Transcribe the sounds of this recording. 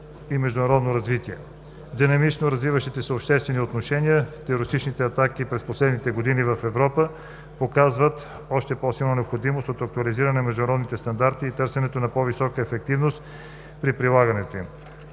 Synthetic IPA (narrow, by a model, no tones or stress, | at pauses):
imɛʒd̪ʊnɐɾɔd̪noɾɐzvit̪iɛ | d̪inɐmit͡ʃnoɾɐzvivəʃt̪it̪ɛsəopʃt̪ɛst̪vɛniot̪noʃɛnijət̪ɛoɾist̪it͡ʃnit̪ɛat̪akipɾɛsposlɛd̪nit̪ɛɡod̪inivəfɛvɾɔpə | pokazvət̪ | ɔʃt̪ɛpɔsilˠnɐnɛopxod̪imost̪ot̪ɐk̚t̪uɐliziɾɐnɛmɛʒd̪ʊnɾɔd̪nit̪ɛst̪ɐnd̪aɾt̪iːt̪əɾsɛnɛt̪onɐpɔvisɔkəɛfɛk̚t̪ivnost̪ | pɾipɾilˠaɡɐnɛt̪oim